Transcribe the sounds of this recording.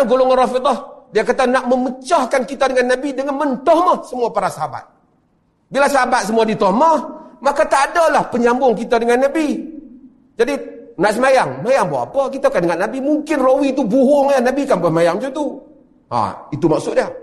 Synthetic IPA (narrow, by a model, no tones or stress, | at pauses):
ɡolʊŋanrɔfid̪ɔhdiakat̪anaʔməmət͡ʃahkankit̪adəŋanːabidəŋanmənt̪ɔhməhsəmuapaɾasaɦaba̰t̪̚ | bilasəɦabat̪̚səmuadit̪oməhmakat̪adalahpəɲambʊŋkit̪adəŋanːabi | d͡ʒadinaʔsəmajaŋmajaŋbawʔa̰pəkit̪akandəŋanːabimuŋkɪnrowit̪ubuɦʊŋənabikanbasmajaŋd͡ʒut̪u | ha̰it̪umaksʊt̪ʔ̚dia